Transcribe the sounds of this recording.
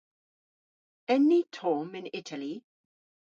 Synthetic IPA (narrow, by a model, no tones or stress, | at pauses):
ɛnːitʰɔmɪ̃nɪtʰali